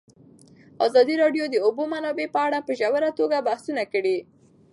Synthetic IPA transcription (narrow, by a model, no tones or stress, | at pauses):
a̰zɑd̪iɾɑɖjod̪əobomanɑbepəaɽapəʒawəɾat̪oɡabahsunakəɽi